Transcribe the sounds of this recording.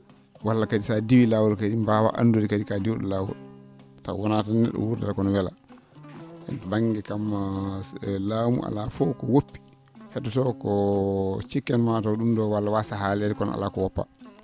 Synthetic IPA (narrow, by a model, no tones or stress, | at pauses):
walːakadisadiwilawɔlkadimbawa̰ʔa̰ndoɾikadikadiwɗɔ̰laːwɔ̰lta̰wɔnatanːɛ̰ɗɔ̰wuɾdaɾakɔnɔwɛla̰ | ʔɛ̰nbaŋːɡɛkamːa | laːmṵʔa̰lafɔkɔwopːi̥ | hɛtɔtɔkɔ | t͡ʃikːɛnmatɔɗumdɔwalːawasaɦalɛɾikɔnʔa̰lakɔwɔpːa̰